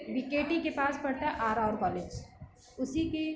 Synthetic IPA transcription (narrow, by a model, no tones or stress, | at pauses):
bikeːʈikepaːsbɐɽʈ̪aʔaːɾaːɾkɔːleːd͡ʒ | ʊsike